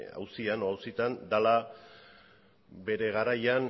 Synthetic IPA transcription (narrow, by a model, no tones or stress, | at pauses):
a̰wsianoawsit̪and̪ala | be̞ɾe̞ɣ̞aɾajan